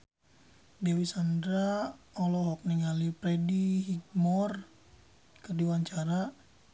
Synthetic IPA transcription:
dɛwisandɾa | ɔlɔɦɔk̚niŋalipɾɛdihiɡ̚mɔr | kərdiwaɲt͡ʃaɾa

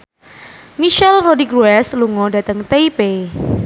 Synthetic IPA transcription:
miʃɛlrodikɾuɛsluŋɔdat̪əŋt̪eipe

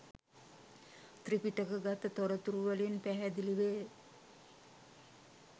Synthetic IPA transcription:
t̪ripiʈəkəɡat̪ət̪oɾət̪uɾuʋəlinpæɦæd̪iliʋeː

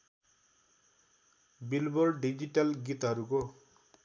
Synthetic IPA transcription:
bilbɔɹɖid͡ʒiʈalɡit̪ɦʌɾuko

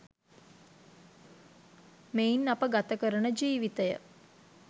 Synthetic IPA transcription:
meinːapəɡat̪əkəɾəɳəd͡ʒiːʋit̪əjə̰

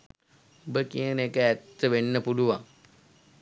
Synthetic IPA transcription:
obəkijənekəæt̪ːəʋenːəpuluʋaŋ

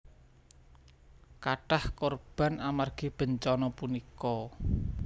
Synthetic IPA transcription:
kaʈahkorb̥a̤namarɡ̥ib̥ə̤ɲt͡ʃɔnɔpunikɔ

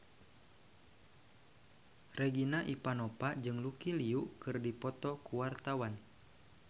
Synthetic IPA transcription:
rɛɡinaʔipanɔpad͡ʒɨŋlukiliuʔkɨrdipɔt̪ɔkuwart̪awan

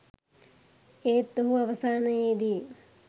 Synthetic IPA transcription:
eːt̪ːoɦuɐʋɐsaːnɐjeːd̪i

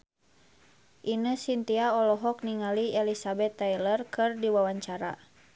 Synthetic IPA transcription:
ʔinəsint̪iaɔlɔɦɔk̚niŋaliɛlisabɛt̪ːajlərkɨrdiwawaɲt͡ʃaɾa̰

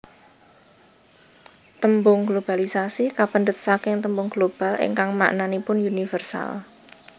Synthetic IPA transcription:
t̪əmbʊŋɡlob̥alisasikapənd̪ət̪̚sakɪŋt̪əmbʊŋɡ̥lob̥a̤lɪ̰ŋkaŋma̰ʔnanipʊnunifərsa̰l

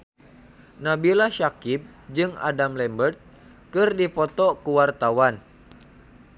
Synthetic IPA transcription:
nabilaʃakip̚ | d͡ʒɨŋa̰damlɛmbərt̪̚ | kɨrdipɔt̪ɔkəwart̪awan

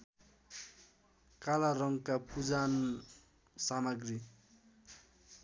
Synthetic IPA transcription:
kalaɾʌŋkapud͡zan | samaɡri

